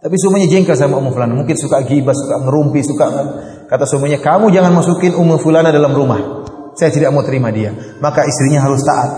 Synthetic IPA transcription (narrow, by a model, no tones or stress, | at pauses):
t̪apisɔmuɲad͡ʒɛŋkas̬amaumufulanamuŋkɪnsukaʔɡibasukaʔməɾumpisukaʔ | kat̪asɔmuɲakamud͡ʒaŋanmasukɪnumufulanadalamɾumah | sajat̪idaʔ̚mat̪əɾimadia | makaist̪ɾiɲaɦaɾʊst̪a̰ʔat̪̚